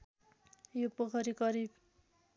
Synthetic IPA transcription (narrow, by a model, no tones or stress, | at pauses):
jopʌkʰʌɾikʌɾib